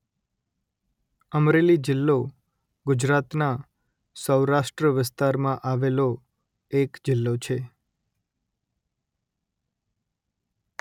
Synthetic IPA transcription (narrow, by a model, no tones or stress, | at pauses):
əmɾelid͡ʒɪlːo | ɡʊd͡ʒɾat̪na | səwɾaʃʈɾəʋɪst̪aɾmãʔaʋelo | ekd͡ʒɪlːot͡ʃʰe